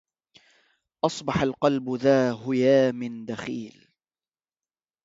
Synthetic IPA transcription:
ʔɑsˤbɑħalqɑlbʊðaːɦʊjaːmɪnd̪axiːl

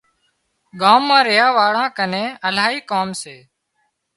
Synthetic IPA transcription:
ɠaːmːãːɾɪjaːʋaːɽãːkənẽːəlaːɦiːkaoːmseː

